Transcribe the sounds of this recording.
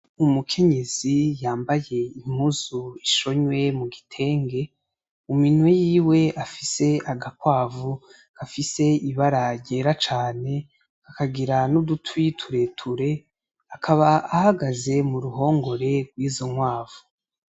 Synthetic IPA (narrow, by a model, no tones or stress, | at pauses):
umukʰe̞ɲe̞z̥ijaːmbaje̞im̥huzuiʃo̞ɲwe̞muɡitʰe̞ːŋɡe̞ | uminwejiːwe̞afise̞aɡakwaːvu | kafise̞iβaɾaɾɟe̞ːɾat͡ʃaːne̞ | kakaɡiɾanudutwitʰuɾe̞tʰuɾe̞ | akʰaβaahaɡaze̞muɾuho̞ːŋɡo̞ɾe̞ɡwiːzo̞ŋwaːvu